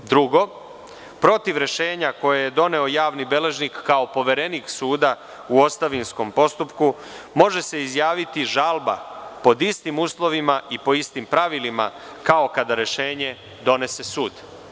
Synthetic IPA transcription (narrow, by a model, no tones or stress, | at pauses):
d̪ɾuɡo̞ | pɾo̞t̪iʋɾe̞ʃe̞ːɲako̞jejed̪o̞ne̞o̞jaːʋnibe̞le̞ʒnikːao̞po̞ʋe̞ɾe̞niːksuːd̪a | uo̞st̪aʋinsko̞mpo̞st̪upku | mo̞ʒe̞se̞izjaːʋit̪iʒalˠbapo̞d̪ist̪imuːslˠo̞ʋimaʔipo̞ist̪impɾaʋilima̰ | kao̞kad̪aɾe̞ʃe̞ːɲe̞ | d̪o̞ne̞se̞suːd̪